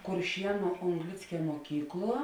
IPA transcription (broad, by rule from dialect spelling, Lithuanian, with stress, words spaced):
kʊrʲˈʃʲiɛnʊ oːŋɡˈlʲɪt͡sʲkʲɛ muɔˈkʲiːkˌlˠuɔ